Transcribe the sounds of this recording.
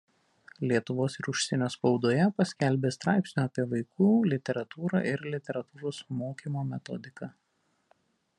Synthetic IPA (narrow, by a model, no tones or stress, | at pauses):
lʲiɛt̪ʊʋoːsɪɾʊʃʲsʲɪnʲoːspɒʊd̪oːjɛpɐsʲkʲælʲbʲeːst̪ɾɑˑɪpʲsʲnʲuːɐpʲiɛʋɐɪkʰuːlʲɪt̪ʲɛɾɐt̪uːɾɑ̰ːʔɪɾlʲɪt̪ʲɛɾɐt̪uːɾoːsmoːkʲiːmoːmʲɛt̪ɔ̰d̪ʲɪkɑː